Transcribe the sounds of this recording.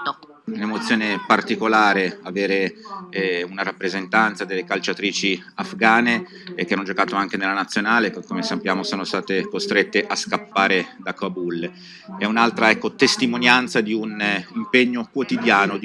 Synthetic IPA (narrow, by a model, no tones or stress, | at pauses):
unemot̪sːjoːnepart̪ikolaːɾeaveːɾe | unaɾapːɾezent̪ant̪sad̪elːekalt͡ʃat̪ɾiːt͡ʃi | afɡaːne | k̟ːeanːod͡ʒokaːt̪oaŋk̟enelːanat̪sjonaːlekkːomesapːjaːmosoːnost̪aːt̪ekost̪ɾet̪ːeʔaskapːaːɾed̪akabul | ɛunalt̪ɾaɛkːot̪est̪imonjant̪sad̪iunimpeɲːokwot̪id̪jaːnod̪